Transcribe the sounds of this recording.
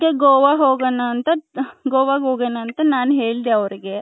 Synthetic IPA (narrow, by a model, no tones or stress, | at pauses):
keɡoːʋaɦoːɡɐnːaːnt̪ɐɡoːʋaːɡɦoːɡɐnːaːnt̪ɐnaːnɦeːɭd̪eɐʋɐɾiɡe